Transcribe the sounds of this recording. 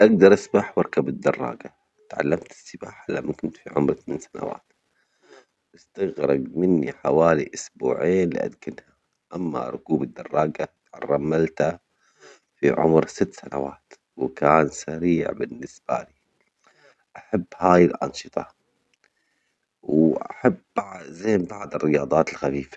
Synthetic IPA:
ʔaɡd̪ɑɾˤʔasbaħwɑɾˤkabɪd̪ːɑrˤːɑ̰ːɡa | t̪ʕa̰lːamt̪ɪ̥sːɪbaːħalamːakʊnt̪fiʕʊmɾθamiːnsana̰wa̰ːt̪ | ʔɪst̪aɣɾˤɑ̰ɡmɪnːiħawaːliʔʊsbṵːʕeːnlḭʔa̰d̪kɪnha | ʔamːa̰ɾˤʊkuːbɪd̪ːɑrˤːɑːɡat̪ʕarˤːɑmːalt̪a | fiʕʊ̰mɾsɪt̪ːsanawaːt̪ | wkaːnsaɾiːʕbɪnːɪsb̥a̰li | ʔaħabːhaːjɪlʔɑ̰nʃɨt̪ˤɑ | wʔaħabbʕzeːmbaʕd̪ˤɪrːɪjɑːd̪ˤɑːt̪ɪlxafiːfḁ

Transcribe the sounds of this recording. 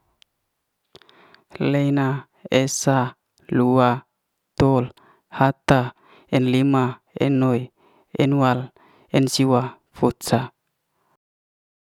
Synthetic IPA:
lejna | esa | lua | t̪ol | hat̪a | ɛnlima | ɛ̰noj | ɛnwal | ɛnsiwa | futsa

